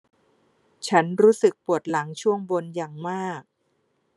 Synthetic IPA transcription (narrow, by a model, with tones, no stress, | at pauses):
t͡ɕʰa˦˥nɾuː˦˥sɯ˨˩k̚pu˨˩ət̪̚la˩˦ŋt͡ɕʰu˥˩əŋbo˧nja˨˩ŋmaː˥˩k̚